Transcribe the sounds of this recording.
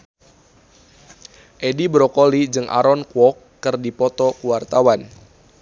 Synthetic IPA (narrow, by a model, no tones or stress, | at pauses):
ʔedibɾɔkolid͡ʒɨŋʔa̰ɾɔnkwɔkːɨrdipɔt̪ɔkuwart̪awan